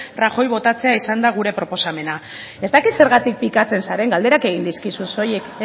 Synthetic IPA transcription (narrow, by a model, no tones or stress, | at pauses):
raxo̞jβo̞t̪at͡se̞aisand̪aɣ̞uɾe̞pɾo̞po̞same̞na | e̞zt̪akit̪se̞ɾɣat̪ik̚pikat͡se̞nsaɾe̞ŋɡald̪e̞ɾake̞ɣ̞ind̪iskisunso̞jek